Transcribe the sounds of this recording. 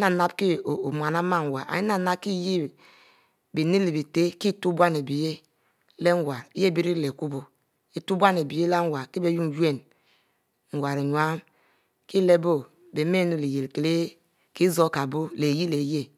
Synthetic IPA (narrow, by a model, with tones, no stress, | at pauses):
na˨na˦bki˦˨o˨mʷ˨a˨na˦ma˦˨ŋ˨wa˨a̰˨ji˦na˨na˦ki˦je˦ | bi˨ni˦li˨bi˨te˦ki˦tu˦bʷa˦ne˨bi˨je˦ | le˦ŋ˦ɡʷwa˨ɾi˦je˦˨bi˨˦ɾi˦˨le˨ku˦bo˨ | i˦tu˦bʷa˦n˨e˨bi˨je˦la˦ŋ˦wa˨ɾki˦be˦ju˦˨je˦˨n | ŋ̩˨ɡʷwa˨ɾe˨ɲ˨a˦m | ki˦le˦bo˦ | be˨me˦nu˨le˨je˨lke˨le˦ | ki˦zo˦ka˨bo˦le˨ji˦le˨je˦